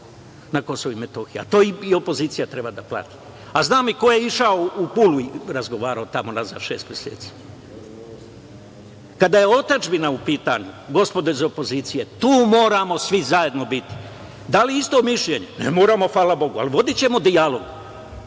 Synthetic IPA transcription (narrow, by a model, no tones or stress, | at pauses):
nako̞soʋuime̞t̪o̞xia̰t̪o̞ːiio̞po̞ziːt̪sijat̪ɾe̞bad̪aplˠa̰t̪i̥ | aznaːmiko̞je̞iʃaoupuluiɾazɡo̞ʋaːɾaot̪amonaza̰ʃe̞ːst̪mjesḛːt̪si̥ː | kad̪ajeo̞t̪ad͡ʒbinaupiːt̪aɲuɡo̞spo̞d̪oizopo̞ziːt̪sije̞t̪uːmo̞ːɾamo̞sʋizaje̞d̪no̞bit̪i̥ | d̪aliist̪o̞miʃʎe̞ɲunḛmo̞ːɾamo̞faːlabo̞ɡua̰liʋo̞d̪it͡ɕe̞mo̞d̪ialo̞ɡ